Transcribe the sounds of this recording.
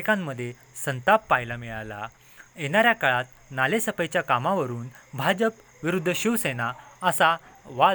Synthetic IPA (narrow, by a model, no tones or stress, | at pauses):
kãmːəd̪ʱːje | sənt̪apːajlamiɭala̰ | jeɽ̃aɾjakaɭat̪̚ | nalesəpəjt͡ɕjakamaʋəɾuːnbʱad͡ʑəp | ʋiɾud̪ʱːəɕiʋsenaəsaʋa